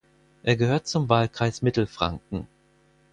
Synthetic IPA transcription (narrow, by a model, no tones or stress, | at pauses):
ʔeːɐɡəhøːɐt̚t͡sʊmvaːlkʁ̥aɪsmɪtl̩fʁ̥a̰ŋk̚ŋ̩